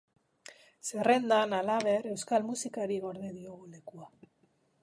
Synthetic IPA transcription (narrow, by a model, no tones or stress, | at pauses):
se̞re̞nd̪analaβ̞e̞ɾe̞wskalmusikaɾiɣo̞ɾðeðio̞ɣ̞ule̞kua